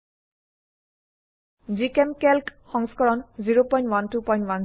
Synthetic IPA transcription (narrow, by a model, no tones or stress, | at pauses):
zikɛmkɛlkxɔŋskɔɹɔnziɹopɔj̃ntwantupɔj̃ntwan